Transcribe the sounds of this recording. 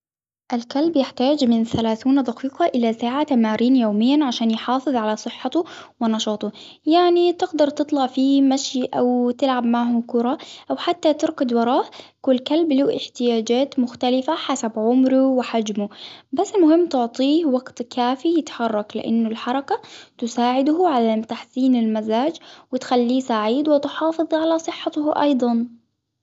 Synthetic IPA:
ʔalkalbjɪħt̪aːd͡ʒmɪnθalaːθuːnad̪ɑqiːqɑʔɪlasaːʕat̪amaːɾiːnjoːmɪjːanʕaʃaːnjħɑːfɨðˤʕalasˤɨħːɑt̪uwɪnɑʃɑːt̪ˤʊ | jaʕnit̪ɪɡd̪ɑɾˤt̪ɨt̪ˤlɑʕfimaʃjʔawt̪ɪlʕab̚maʕhʊkʊɾˤɑʔawħat̪ːat̪ɪɾɡɑd̪wɑɾˤɑːʔkʊlːkalbluːʔɪħt̪ɪjaːd͡ʒaːt̪mʊxt̪alɪfaħasabʕʊmɾuwɪħad͡ʒmubasːɪlmʊhɪmːt̪ʊʕt̪ˤiːhwɑɡt̪kaːfijɪt̪ħɑrˤːɑklɪ̰ʔa̰nːʊlħɑɾˤɑkat̪ʊsaːʕɪd̪hʕaðamt̪aħsiːnɪlmazaːd͡ʒwɪt̪xalːiːsaʕiːd̪wɪt̪ħɑːfɨðˤʕalasˤɨħːɑt̪hʔɑ̰jd̪ˤɑn

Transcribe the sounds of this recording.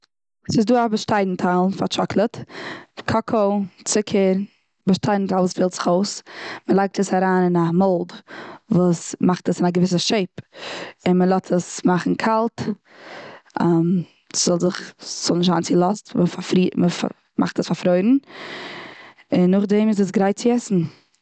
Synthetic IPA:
sɪsduːabəʃtaɪdn̩tʰalˠfaɾt͡ʃɔklˠətkʰɔkʰot͡sɪkʰəɾ | bəʃtaɪdn̩talvusfɪːlˠtz̥ɪ̥χoʊsməlˠaɪk̚təsaɾaːnɪnamɔlˠdvuːsmaχtəsɪnaɡəvɪs̬əʃeɪp | ɪnməlˠɔtʰəsmaχn̩kʰalˠt | am | sz̥ɔlˠzɪχz̥ɔlˠnɪʃtaːnt͡sɪlˠɔstməfafɾiməfa̰ | mʔa̰χtəsfafɾoɪɾn̩ | ɪnːʊχdɛmɪzəs̬ɡɾaɪt̚t͡sɪɛsn̩

